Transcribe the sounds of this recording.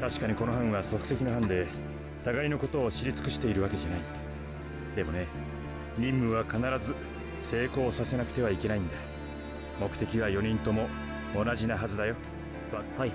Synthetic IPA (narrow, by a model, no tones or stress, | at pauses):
t̪aɕi̥kaɲ̟iko̞no̞ɦãɰ̃βaso̞kɯ̟̥se̞kʲino̞ɦãnd̪e̞ | t̪aɡaino̞ko̞t̪o̞ːɕiɾʲit͡sɨ̥kɯ̟ɕi̥t̪e̞iɾɯ̟βake̞ʑanai | d̪e̞mo̞ne̞ | ɾʲĩmːɯ̟βakanaɾazɨ | se̞ːko̞ːsase̞nakɯ̟̥t̪e̞β̞aike̞naĩnd̪a | mo̞kɯ̟̥t̪e̞kʲiβajo̞ɲ̟ĩnt̪o̞mo̞ː | naʑinaɦazɨd̪ajo̞